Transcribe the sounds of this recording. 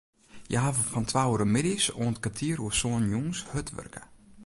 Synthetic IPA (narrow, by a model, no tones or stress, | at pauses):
jəɦavəfɔntʰʋawəɾəmɪdisoːntkatʰiəɾuəsoːnjuŋshøtʋø̰rkə